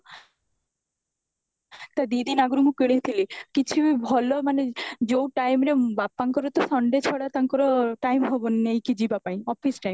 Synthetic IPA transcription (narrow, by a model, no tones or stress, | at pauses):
t̪ad̪id̪inaɡɔɾumũkiɽ̃et̪ʰilikit͡ʃʰibibʱɔlɔmaned͡ʒowʈajmɾebapːaŋkɔɾɔt̪ɔsɔɳɖet͡ʃʰɔɽat̪aŋkɔɾɔʈajmɦɔbɔnːejkid͡ʒibapaĩɔpʰisʈajm